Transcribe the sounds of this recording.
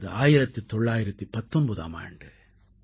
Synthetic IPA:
ðɯaːjɪɾɐt̪ːɯt̪ːɔɭːaːjɪɾɐt̪ːipɐt̪ːɔnbɐða̰ːma̰ːjɐ̰ɳɖɯ

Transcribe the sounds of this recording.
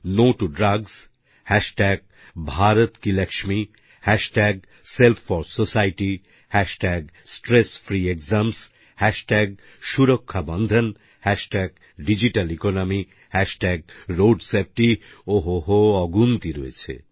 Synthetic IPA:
noʈuɖɾaɡs | hɛʃʈɛɡ̚ | bʱaɾot̪kilɛkʃmi | hɛʃʈɛɡ̚ | selt̪ʰfɔɾsosajʈi | hɛʃʈɛɡsʈɾesfɾiekzams | hɛʃʈɛɡ̚ | ʃuɾokʰːabɔnd̪ʱan | hɛʃʈɛɡ̚ | ɖid͡ʑiʈalikonomi | hɛʃʈɛɡ̚ɾoɖsep̚ʈi | oɦoɦoɔɡunt̪iɾoḛt͡ɕʰḛ

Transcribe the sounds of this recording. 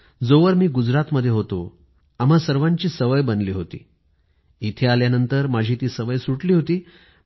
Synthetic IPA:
d͡zoʋəɾmiːɡud͡zɾat̪məd̪ʱːjeɦot̪o | am̤asəɾʋãɲt͡ɕiːsəʋəjbənliːɦot̪ḭː | it̪ʰealjanənt̪əɾmad͡ʑʱiːt̪iːsəʋəjsuʈliːɦot̪iː

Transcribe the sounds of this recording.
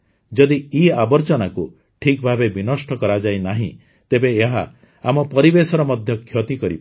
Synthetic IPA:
d͡ʒɔd̪iiabɔɾt͡ʃɔnaku | ʈʰikbʱabebinɔsʈɔkɔɾad͡ʒajnaɦḭ̃ | t̪ebeːɦaː | mɔpɔɾibesɔɾɔmɔd̪ʱjɔkʰjɔt̪ikɔɾḭb

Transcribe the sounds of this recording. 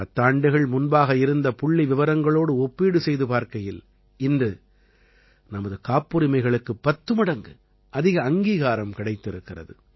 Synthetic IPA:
ɐt̪ːaːɳɖɯɣɐɭmʊnbaːɣɐɪɾɯnd̪ɐpʊɭːiʋɪʋɐɾɐŋɡɐɭoːɽɯɔpːiːɽɯsɛjðɯpaːɾkɐjɪl | ɪndrɯ | nɐmɐðɯkaːpːɯɾɪmɐɪɣɐɭɯkːɯpːɐt̪ːɯmɐɽɐŋɡɯ | ʔɐðɪɣɐːŋɡiːɣaːɾɐmkɪɽɐɪt̪ːɪɾɯkːɪrɐ̰ðɯ

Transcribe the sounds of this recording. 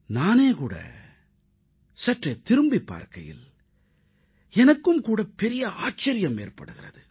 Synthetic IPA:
naːneːkuːɽɐ̰ | sɐʈrɐt̪ɪɾɯmbipːa̰ːɾkɐjɪ̰l | ɛnɐkːɯmkuːɽɐpːɛɾɪjɐʔaːt͡ʃːɐɾɪjɐmḛːrpɐ̰ɽɯɣɪrɐðɯ

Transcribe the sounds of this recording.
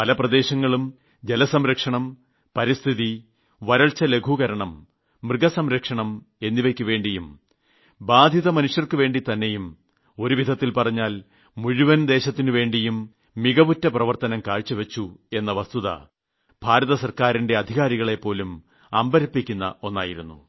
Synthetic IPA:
pɐlɐprɐd̪e̞ːɕɐŋːɐɭum | d͡ʑe̞lɐsɐmɾɐkʂɐɳɐm | pɐɾist̪ʰiði | ʋɐɾɐɭt͡ɕːɐle̞ɡʱuɣɐɾɐɳɐmː | rɨɡɐsɐmɾɐkʂɐɳɐm | e̞nːiʋɐkʲːuʋe̞ːɳɖijum | baːd̪ʱjiðɐmɐnuʂjɐrkɨʋe̞ːɳɖit̪ɐnːe̞jum | o̞ɾuʋid̪ʱɐt̪ːilpɐrɐɲːaːl | muɻuʋɐnd̪e̞ːɕɐt̪ːinuʋe̞ːɳɖijumː | iɡɐbutːɐprɐʋɐrt̪ɐnɐmkaːɻt͡ɕːɐʋet͡ɕːue̞nːɐʋɐst̪uðɐ̰ | bʱaːɾɐðɐsɐrkaːɾinde̞ɐd̪ʱiɣaːɾiɣɐɭe̞pːo̞ːlum | ɐmbɐɾɐpːikʲːunːɐ̰ʔo̞nːaːjiɾunːṵ

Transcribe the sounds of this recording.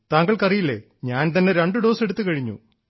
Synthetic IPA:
t̪aːŋɡɐɭkɐrijilːe | ɲaːnt̪ɐnːe̞ɾeɳɖɨɖo̞ːse̞ɽut̪ːɨkɐɻiɲːṵ

